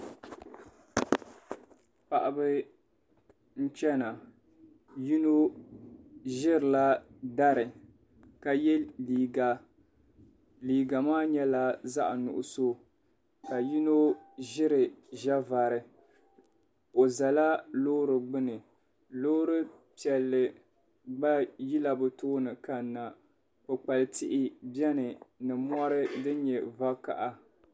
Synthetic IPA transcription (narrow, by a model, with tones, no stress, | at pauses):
pa˨ʔa˨bɨ˦ | n̩˦t͡ʃɛ˦na˨ | ji˦no˦ | ʒɪ˦ɾɨ˨la˦da˦ɾɨ˨ | ka˨jɛ˦liː˨ɡa˨ | liː˨ɡa˨maː˦ɲɛ˦la˦za˦ʔnʊ̰˨ʔʊ˨so˦ | ka˨ji˦no˦ʒɪ˦ɾɨ˨ʒa˦va˨ɾɨ˨ | o˨za˨la˦loː˦ɾɨ˨ɡ͡bɨ˦nɨ˨ | loː˦ɾɨ˦ | pi˨ɛ˨lːɨ˨ | ɡ͡ba˦ji˦la˨bʊ˨toː˦nɨ˨ka˨˦nːa˨ | ko˨k͡pa˨lɨ˨tɪ˦ʔɪ˦bɛ˦nɨ˨nɨ˨m˦ɔ˦ɾɨ˦dɨ˦ɲɛ˨va˦ka̰˨ʔa˨